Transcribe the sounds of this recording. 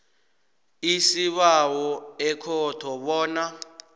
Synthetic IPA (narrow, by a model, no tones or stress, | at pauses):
isiɓawɔɛkʰɔtʰɔɓɔːna